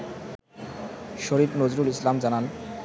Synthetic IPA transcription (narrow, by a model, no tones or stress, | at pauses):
ʃoɾifnod͡ʑɾulislamd͡ʑanan